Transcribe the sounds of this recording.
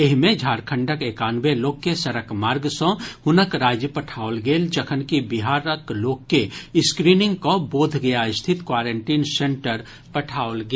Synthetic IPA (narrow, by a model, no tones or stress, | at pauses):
eɦmẽd͡ʒʱaːɾkʰə̃ɳɖəkeːkaːnʋeloːɡːesɐɾəkmaːɾɡsõhʊnəkɾaːd͡ʒjəpɐʈʰaːolɡeːld͡ʒəkʰənkibɪɦaːɾəkloːkːeɪskɾiːnɪ̃ŋɡkoboːd̪ʱɡɐjaɪst̪ʰɪt̪kwaːɾeɳʈiːnsẽɳʈəɾ | pɐʈʰaːolɡ